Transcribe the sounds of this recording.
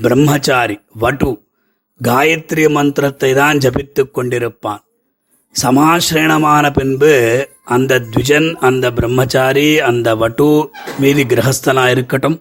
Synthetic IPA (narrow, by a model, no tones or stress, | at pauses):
bɾɐmːɦɐt͡ʃaːɾiʋɐʈu | ɡaːjɐt̪ɾijɐmɐnt̪ɾɐt̪ːɐjd̪aːnd͡ʒɐpit̪ːukːoɳɖiɾupːaːn | sɐmaːʃɾeːɳɐmaːnɐpinbɨ | ɐnd̪ɐd̪ʋid͡ʒɐnɐnd̪ɐbɾɐmːɐt͡ʃaːɾiɐnd̪ɐʋɐʈumiːd̪iɡɾɐɦɐst̪ɐnaːjiɾukːɐʈɐm